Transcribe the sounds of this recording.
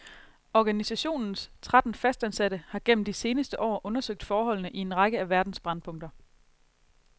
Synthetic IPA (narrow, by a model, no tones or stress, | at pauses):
ɒɡ̥ænisæɕo̝̰ːnn̩st͡sʰʁad̥n̩fæsd̥ænsæd̥əhɑ̈ɡ̥en̰m̩d̥ise̝ːnəsd̥əʔɒ̰ːʔɔ̽nɐsøɡ̥̚d̥fɒːɦɒ̽l̰nəʔie̝nʁɑ̈ɡ̥əæʋæɐd̥n̩sb̥ʁɑ̈npʰɔ̽ŋ̰d̥ɐ